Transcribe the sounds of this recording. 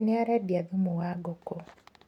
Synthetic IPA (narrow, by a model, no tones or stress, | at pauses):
neaɾadjaðimuwaɡoko